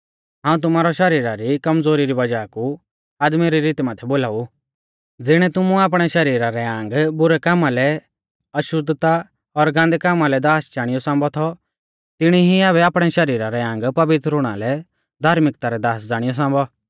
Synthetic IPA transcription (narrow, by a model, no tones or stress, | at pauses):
ɦãːũt̪̬ʊmaːɾɔʃɐɾiːɾaɾikɐmd͡zoːɾiɾibɐd͡ʒaːku | aːd̪miɾiɾiːt̪maːt̪ʰɛboːlaːu | d͡zɪɽ̃ɛt̪ʊmũaːp̬ɽ̃ɛʃɐɾiːɾaɾɛãːŋɡbʊɾɛkaːmalɛ | ɐʃʊd̪t̪a | ɔɾɡãːnd̪ɛkaːmalɛd̪aːst͡ʃaːɽ̃ɪjɔsãːmbɔt̪ʰɔ | t̪ɪɽ̃iɦiaːβɛaːpɽ̃ɛʃɐɾiːɾaɾɛãːŋ̆ɡpɐʋɪt̪ɾʊɽ̃a̰lɛ | d̪ʱaːɾmɪkt̪aɾɛd̪aːsd͡zaːɽ̃ɪjɔs̬ãːmbɔ